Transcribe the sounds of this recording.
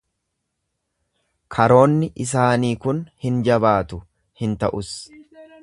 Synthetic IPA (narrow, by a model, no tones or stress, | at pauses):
kʰɐɾo̞ːnːɪʔɪs̬aːniːkʊnhɪnd͡ʒɐbaːt̪ʊ | hɪnt̪ɐʔʊs